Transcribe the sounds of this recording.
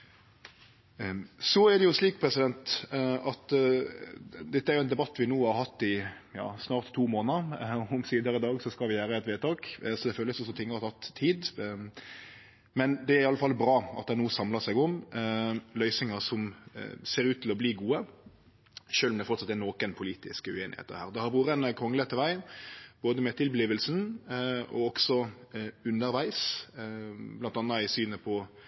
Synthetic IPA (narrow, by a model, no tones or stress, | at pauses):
sɔæd̪ɛjʊsliːkpʰʁɛsɪd̪ɛnt̪ɑt̪ | d̪ɛt̪ːəæɾjʊɛnd̪ɛbɑt̪ːʋɪnuːhɑɾhɑt̪ːɪ | jɑ̰ːsnɑːʁt̪t̪ʰːuːmoːnəɾɔʊmsiːd̪əɾɪd̪ɑːɡsɔskɑlʋɪjæːɾəɛt̪ʋeːt̪ɑːksɔd̪ɛføːlːəsɔsɔt̪ʰɪŋːəʁɑt̪ʰɑt̪ʰːiːd̪ | mɛnd̪ɛæɾɪɑlːəfɑlːbɾɑːɑ̰t̪̚d̪ɛænuːəsɑmlɑsɛɡʊm | lœʏsɪŋəɾsɔmseːɾʉːt̪ʰːɪlɔbliːɡuːə | ʃøːlmd̪ɛfɔʁt̪sɑt̪ːɛnoːkənpʰʊliːt̪ɪ̰skəʉeːnɪhḛːt̪ə̰ɾhæːɾd̪ɛhɑɾbuːʁənəkʰʁɔŋələt̪ʰːəʋæɪboːd̪əmɛt̪ʰɪlbliːʋəlsn | ɔ̰ɔksɔʉnːəɾʋæɪs | blɑnt̪ɑnːɑɪsyːnəpʰɔ